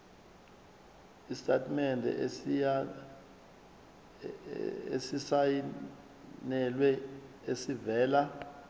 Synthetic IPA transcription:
istʰʼatʰʼmɛndʱɛ̰ | ḛsisaji | nɛlwɛesivɛːla

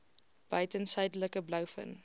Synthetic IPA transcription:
b̥œɥtənsɐjdələkəblœwfə̰n

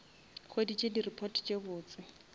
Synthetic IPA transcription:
χwedit͡ʃʼedirɪpʰɔtʰʼt͡ʃʼebʊːt͡sʼɪ

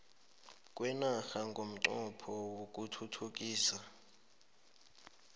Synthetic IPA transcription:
k̬ʼwɛnaxaŋɡʱom̩ǀɔpʰɔwok̬ʼutʰutʰuk̬ʼiːsa

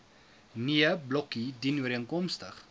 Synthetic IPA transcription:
niəblɔkidinwəɾiənkɔmstəχ

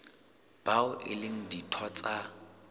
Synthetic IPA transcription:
b̥aʊʔɪ̰lɪŋ̩ditʰɔt͡sʼa

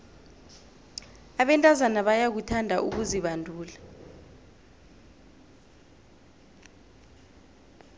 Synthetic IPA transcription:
aɓɛntʼazanaɓajak̬utʰandʱaʔuk̬uziɓandʱuːla

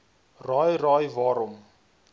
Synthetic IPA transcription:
raːjrɑːjvɑːɾɔm

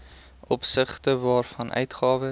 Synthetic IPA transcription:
ʔɔpsəχtəvɑːrfɐnʔœ̰ɥtχɑːvə

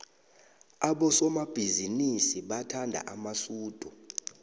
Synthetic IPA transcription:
aɓɔsɔmab̥ʱizinisiɓatʰandʱa̰ʔamasuːd̥ʱu

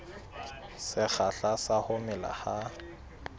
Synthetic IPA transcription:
sɪk͡xaɬasahʊmɪla̰ha

